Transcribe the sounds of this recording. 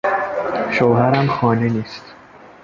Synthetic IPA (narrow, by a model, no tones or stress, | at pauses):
ʃoːhæɾæmxɒːneniːst̪